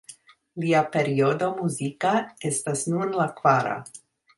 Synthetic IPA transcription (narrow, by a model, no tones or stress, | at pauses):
liape̞ɾiodo̞muzikae̞stasnunlakvaɾa̰